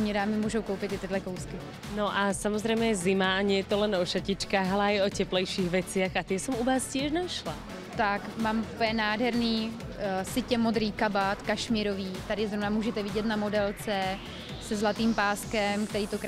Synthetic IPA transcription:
mɲɛdaːmɪmuːʒo̞wkowpɪt̪ɪt̪ɪdlɛkowskɪ | noʔasamozɾɛjmɛjɛzɪmaːɲɛjɛt̪olɛnɔʃacɪt͡ʃkaːɣalɛajɔcɛplɛjʃiːɣʋɛt͡sɪaxat̪ɪɛsɛmuvaːscɪɛʒnaʃla̰ | t̪akmaːmupəɲɛnaːdɦɛɾniː | sɪcɛmod̪ɾiːkabat̪kaʃmiːɾoviːt̪adɪzɾovnamuːʒɛt̪ɛvɪɟɛt̪namodɛlt͡sɛ | sɛzlat̪iːmpaːskɛmkt̪ɛɾiːt̪okɾ

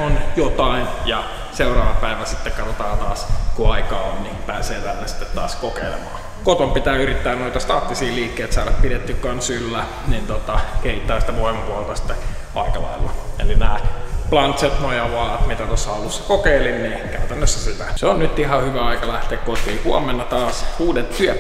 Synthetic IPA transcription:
onjot̪ɑinjɑ | seurɑːʋɑpæiʋæsi̥t̪ːekkɑt̪ot̪ɑːt̪ɑːskuɑikɑːonnipæːseːt̪ælːæsi̥t̪ːet̪t̪ɑ̰ːskokḛilḛmɑ̰ː | kot̪ompit̪æːyɾit̪ːæːnnoit̪ɑst̪ɑːt̪ːisiːliːkːeit̪sɑːɾɑppidet̪ːykːɑnsylːæ | nint̪ot̪ɑkeit̪ːˑɑːsi̥t̪æʋoimɑpuɑlt̪ɑsi̥t̪ːe | ɑikɑlɑ̰ilṵḛlinæːplɑnt̪set̪nojɑʋɑːɑt̪mit̪æt̪osːɑɑlusːɑkokeilinniːkæyt̪ænːøsːæseʋæ̰seonnyt̪ːihɑhyʋæɑikɑlæht̪eːkkot̪iːhuɑmenːɑt̪ɑːsuːdet̪tyæ

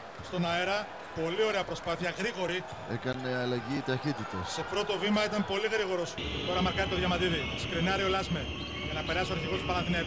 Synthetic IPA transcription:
st̪o̞nɐeɾɐ | po̞lio̞ɾe̞ɐpɾo̞spɐθiɐɣɾiɣo̞ɾi | ḛkɐneɐlɐʝiːt̪ɐçit̪it̪ḛsse̞pɾo̞t̪o̞vimɐit̪ɐmpo̞liɣɾiɣo̞ɾo̞st̪o̞ɾɐmɐɾkɐɾit̪oðʝɐmɐt̪iðiskɾinɐɾio̞lɐzme | ʝɐnɐpe̞ɾɐsoɐɾçiɣo̞st̪pɐlɐnθine

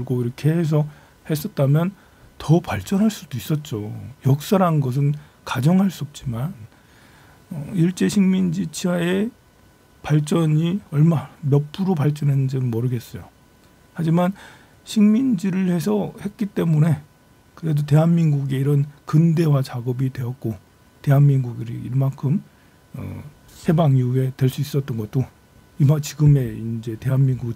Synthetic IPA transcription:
kɯɭɡoiɾʌkʰe̞hes̬ʰʌ | he̞s͈ʌt̚t͈amjʌn | tʌpaɭt͡ɕ͈ʌnɦaɭs͈udois͈ʌt̚t͡ɕ͈ojʌk̚s͈aɾanɡʌs̬ʰɯn | kad͡ʑʌŋɦaɭs͈uʌp̚t͡ɕ͈iman | ʌiɭt͡ɕ͈e̞ɕʰiŋmind͡ʑit͡ɕʰiae | paɭt͡ɕ͈ʌɲiʌɭmamjʌp͈ʰuɾopaɭt͡ɕ͈ʌnɦenɯnd͡ʑinɯmʌɾɯɡe̞s͈ʌjo̰ | had͡ʑiman | ɕʰiŋmind͡ʑiɾɯɭhe̞sʰʌhe̞t̚k͈it͈e̞mune̞ | kɯɾe̞dote̞ɦanminɡuɡe̞iɾʌnkɯnde̞wat͡ɕaɡʌbidwe̞jʌt̚k͈o | te̞ɦanminɡuɡiɾḭːɭmaŋkʰɯm | ʌ̰ | she̞baŋiue̞twe̞ɭs͈uis͈ʌt͈ʌnɡʌt͈̚o | imat͡ɕiɡɯme̞ind͡ʑe̞te̞ɦanminɡu

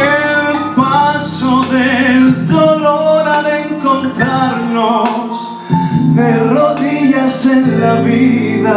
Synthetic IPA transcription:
elpasʊðeld̪oloɾaðeŋkont̪ɾaɾnos | θeroðiʎaseŋlaβiða

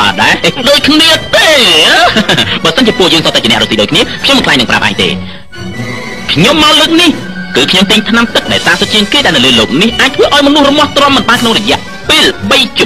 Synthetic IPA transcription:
a̰ːɗaɛɗoːc̚kʰniət̪eː | ɓaːsənt͡ɕiəpuəʔjəːŋsoːt̪aːt͡ɕənɛəʔroːsiːɗoːckʰniəkʰɲomːɨnkʰlaːjŋnɨŋprʔa̰p̚ʔa̰ːjɲt̪ḛː | kʰɲomːaɔlɨːk̚nih | kɨːkʰɲomt̪iːɲt̪ʰnamt̪ɨk̚ɗaɛlsaːsot̪̚t͡ɕiəŋkeːɗaɛlnɨwləːloːk̚nihʔaːc̚t̪ʰʋəːʔaɔjmɔnuəhrɔmŏəht̪rŏəpmːɨnɓaːnkʰnoŋrɔjɛ̆əʔ | peːlɓəjt͡ɕ

